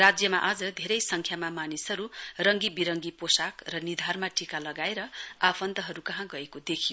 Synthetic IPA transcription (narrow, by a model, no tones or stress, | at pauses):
rad͡zjʌmaʔad͡zʌd̪ʱeɾʌjsʌŋkʰjamamanisʌɾurʌŋɡibiɾʌŋɡiposakrʌnid̪ʱarmaʈikalʌɡaeɾʌapʰʌnd̪ʌɦʌɾukʌɦãɡʌekod̪ekʰijo